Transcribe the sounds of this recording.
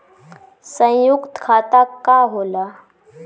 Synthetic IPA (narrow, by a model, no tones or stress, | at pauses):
sə̃jʊkt̪kʰaːt̪akaɦoːlaː